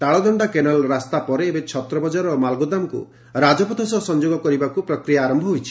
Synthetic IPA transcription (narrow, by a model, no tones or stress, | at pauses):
ʈaɭɔd̪ɔɳɖakenalɔɾast̪apɔɾeːbet͡ʃʰɔt̪ɾɔbɔd͡ʒaɾɔmalɡod̪amɔkṵ | ɾad͡ʒɔpɔt̪ʰɔsɔsɔnd͡ʒoɡɔkɔɾibakupɾɔkɾijaːɾɔmbʱɔɦojt͡ʃʰi̥